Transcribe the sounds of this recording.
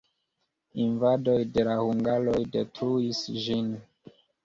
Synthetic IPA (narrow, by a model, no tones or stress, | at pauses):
invadojde̞lahuŋɡalo̞jde̞tɾuisʒin